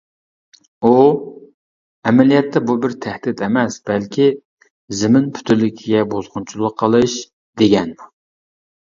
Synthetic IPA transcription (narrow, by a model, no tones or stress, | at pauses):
u | ɛmɛlijɛt̪ʰːɛbubɪɾt̪ʰæhd̪ɪt̪ɛmɛsb̥ɛlkʲʰi | zɪmɪnpʰy̥t̪ʰylːɪkʲʰiɡʲɛbozʁʊnt͡ʃʰulˠəqʰːəlˠɨʃ | d̪̥eɡʲɛnmu